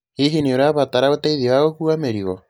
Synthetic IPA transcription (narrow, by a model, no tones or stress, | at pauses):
heɦineoɾeaβataɾaotaiðiwaɣokuameɾiɣɔ